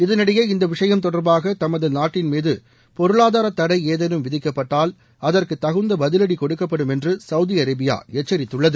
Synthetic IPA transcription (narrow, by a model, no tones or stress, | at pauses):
ɪðɐnɐɽɐjɐːɪnd̪ɐʋɪʂɐjɐmt̪ɔɽɐɾbaːɣɐt̪ɐmɐðɯnaːʈːɪnmiːðɯ | pɔɾɯɭaːðaːɾɐt̪ːɐɽɐɪeːðɐnɯmʋɪðɪkːɐpːɐʈːaːl | ɐðɐrkɯt̪ːɐɣɯnd̪ɐbɐðɪlɐɽikɔɽɯkːɐpːɐɽɯmɛndrɯsɐʊðiɐɾɐbɪja̰ːɛt͡ʃːɐɾɪt̪ːɯɭːɐðɯ